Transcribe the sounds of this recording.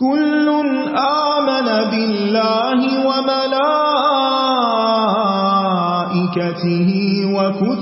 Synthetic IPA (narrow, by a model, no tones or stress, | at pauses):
kʊlːʊn | ʔaːmanabɪlːaːɦɪwamalaː | ʔɪkat̪ɪɦɪwakʊt̪